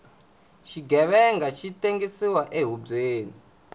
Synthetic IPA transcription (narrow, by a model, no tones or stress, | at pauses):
t͡ʃʰiɡɛβɛŋɡat͡ʃiteŋɡisiwaʔeɦub͡ʐeːni